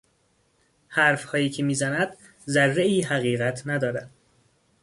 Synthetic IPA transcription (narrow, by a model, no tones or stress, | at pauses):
hæːɾfhɒːjiːcʰemiːzænæd̪̥ | zærːeiːɦæɣiːɣæt̪ʰnæd̪ɒːɾæd̪̥